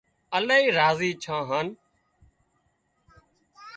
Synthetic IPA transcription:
əlaːiːɾaːziːt͡ʃʰãːɦən

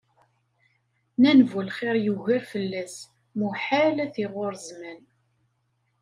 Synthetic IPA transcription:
nænvulχeɾjuʝiɾfəlːæs | muħalæθiʁʊɾzmæn

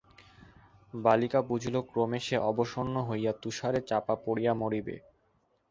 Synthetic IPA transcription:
balikabud͡ʑʱlokɾomeʃeʔɔboʃonːoɦojat̪uʃaɾet͡ɕapapoɽijamoɽibḛ

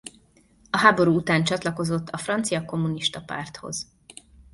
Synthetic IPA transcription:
ɒɦaːbo̞ɾuːut̪aːnt͡ʃɒt̪lɒko̞zo̞t̪ʰːɒfrɒnt̪sijɒko̞mːuniʃt̪ɒpa̰ːrt̪ho̞̰z̥

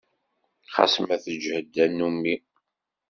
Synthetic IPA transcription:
χɑ̰smæθəd͡ʒhəd̪ːænːumːi

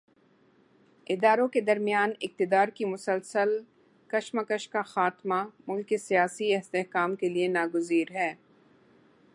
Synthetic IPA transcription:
ɪd̪aːɾõked̪ɐɾmijaːnɪk̚t̪ɪd̪aːɾkimʊsəlsəl | kɐʃməkəʃkaxaːt̪mamʊlkesijaːsiɪɦst̪eɦkaːmkelienaːɡʊziːɾɦɛː

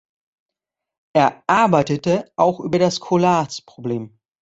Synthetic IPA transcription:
ʔeːɐʔaɐbaɪtətəʔaʊxʔy̰ːbɐdaskʰolaːspʁ̥obleːm

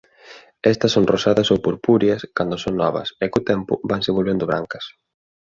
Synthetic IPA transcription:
ɛst̪ɐsːoŋrosaðɐsowpoɾpuɾjɐskand̪oʊsoŋnɔβɐ̰sɛkot̪ɛmpʊ̰βaŋsɪβolβend̪ʊβɾa̰ŋkɐ̥s

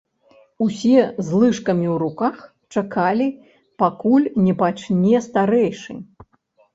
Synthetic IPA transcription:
usʲɛzlˠɨʂkɐmʲiwɾukax | t͡ʂakalʲi | pakulʲnʲɛpat͡ʂnʲɛst̪aɾɛjʂɨ̰

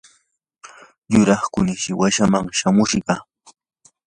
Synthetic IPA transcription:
jʊɾɑχkʊnɪʃɪwaʃamaŋʃamʊʃɢɑ

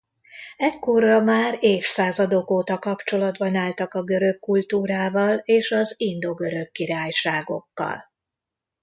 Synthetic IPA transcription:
ɛkːo̞rɒmaːɾeːfsaːzɒd̪o̞koːt̪ɒkɒpt͡ʃo̞lɒd̪bɒnaːlt̪ɒkɒɡø̞ɾøkːult̪uːɾaːvɒleːʃɒzind̪o̞ɡø̞ɾø̞kːiɾaːjʃaːɡo̞̰kːɒ̰l

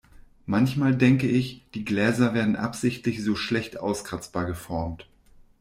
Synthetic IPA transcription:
mançmaːldɛŋkəʔɪçd̥iːɡlɛːzɐveːɐdn̩ʔa̰pz̥ɪçtlɪçz̥oːʃlɛçtʔa̰ʊskʁ̥at͡sb̥aːɐɡəfɔɐmt

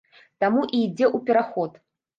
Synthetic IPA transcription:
t̪amuʔiːd͡zʲɛʔupʲɛɾaxɔt̪

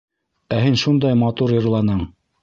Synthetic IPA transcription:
æhɘnʃund̪ɑjmɑt̪uɾjɤ̆ɾlˠɑnɤɴ

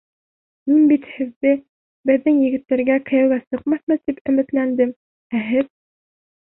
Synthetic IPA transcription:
minbit̪hɘ̆ðːɘ | bɘ̆ðːɘŋjɘ̆ɡɘ̆t̪ːæɾɡækɘ̆jæwæsɤqmɑθmɤt̪ipɵ̆mɘ̆t̪lænd̪ɘm | æɦɘð

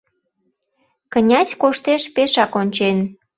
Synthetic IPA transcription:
kənʲɑt͡sʲkoʃt̪eʃpeʃɑkonʲt͡ɕen

